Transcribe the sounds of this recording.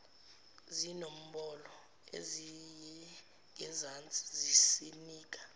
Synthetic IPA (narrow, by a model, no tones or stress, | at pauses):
zinom̩ɓɔlɔ | ḛzijɛ | ŋɛzant͡sʼi̥zisiniːk̬ʼḁ